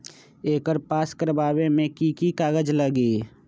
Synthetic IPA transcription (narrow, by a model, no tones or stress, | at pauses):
eːkəɾpaːskəɾbaːbemẽkikikaːɡəd͡ʒləɡeː